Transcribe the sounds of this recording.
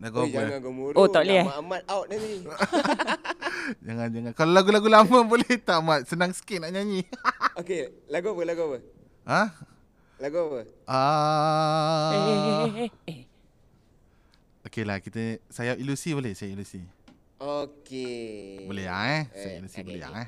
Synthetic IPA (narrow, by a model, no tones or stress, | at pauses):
laɡuabd͡ʒaəŋanɡomuɾot̪aʔliaamat̪̚awt̪̚nad̪i | d͡ʒaŋand͡ʒaŋãnkalolaɡulaɡulaməboleht̪amat̪̚sənaŋsə̥kɪʔnaʔɲaɲioke | laɡubəlaɡuabə | hã | laɡuapəʔa | okelahkit̪əsajaʔilusibolɛhsajailusi | okebolḛa̰ŋsajailusibolḛa̰ŋa